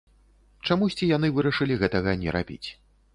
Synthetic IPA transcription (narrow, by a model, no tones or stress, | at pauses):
t͡ʂamusʲt͡sʲijan̪ɨvɨɾɐʂɨlʲiɣɛt̪ɐɣɐnʲɛɾabʲḭt͡sʲ